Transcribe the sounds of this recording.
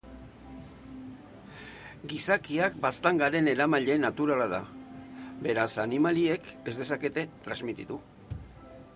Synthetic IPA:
ɡisakiakbast̪aŋɡaɾe̞ne̞ɾamaʎe̞nat̪uɾalað̞a̰ | be̞ɾasanimalie̞ke̞zd̪e̞sake̞t̪e̞t̪ɾazmit̪it̪u

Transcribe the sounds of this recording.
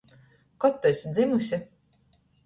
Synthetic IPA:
kɔt̪ːɔsʲd̪zimusʲi

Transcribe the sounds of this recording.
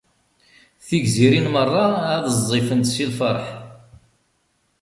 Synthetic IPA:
θiʝziɾinmərˤːɑæðəzˤːifənt̪silfəɾˤħ

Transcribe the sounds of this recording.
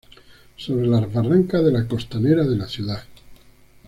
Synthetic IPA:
so̞βɾelazβaraŋkaðe̞lako̞st̪aneɾaðe̞laθjuða

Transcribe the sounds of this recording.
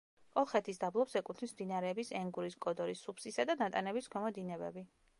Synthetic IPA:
kʼɔlˠχɛt̪ʰisd̪ablˠɔpsɛkʼut̪ʰnismd̪inaɾɛːbisɛŋɡuɾiskʼɔd̪ɔɾisːupʰsisad̪anat̪ʼanɛbisɡɔmɔd̪inɛbɛ̰bi

